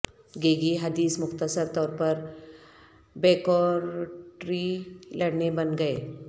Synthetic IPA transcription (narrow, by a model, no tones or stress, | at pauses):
ɡeɡiɦɐd̪iːsmʊkt̪əsəɾt̪ɔːɾpəɾ | bɛkɔɾʈɾiləɽnebənɡəe